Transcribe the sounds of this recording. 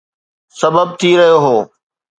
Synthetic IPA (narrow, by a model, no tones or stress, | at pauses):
sɐbəb̚t̪ʰiɾɐɦijoɦoː